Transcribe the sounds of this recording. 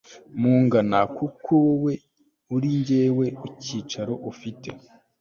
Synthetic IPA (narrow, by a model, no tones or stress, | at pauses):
muːŋɡanakukʰowe̞ | uɾiɲɟe̞ːwe̞iciːt͡ʃaɾo̞ʔufite̞̰